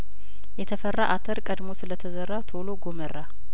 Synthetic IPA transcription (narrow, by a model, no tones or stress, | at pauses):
jɛt̪ʰəfərːaʔat̪ʰəɾkʼəd̪mo̞sɨlət̪ʰəzərːat̪ʰolo̞ɡomərːa